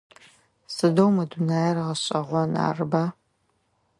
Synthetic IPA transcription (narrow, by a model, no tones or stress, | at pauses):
sɨdowmɐdunaːjɛrɐʁɐɕʼɐʁʷɔna̰ːrɨba